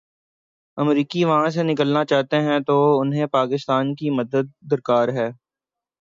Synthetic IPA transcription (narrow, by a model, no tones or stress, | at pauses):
ɐmɾiːkiʋɐɦãs̬enɪkəlnat͡ʃaːɦt̪eɦɛ̃t̪oʊnɦẽpaːkɪst̪aːnkimɐd̪əd̪̚ːɐɾkaːɾɦɛː